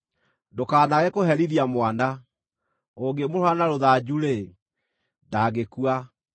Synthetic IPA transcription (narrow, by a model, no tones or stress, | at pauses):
dokaːnaɣɛkohɛɾiðiamwana | oɡemoɾoanaɾoðad͡ʑuɾe | daɣekua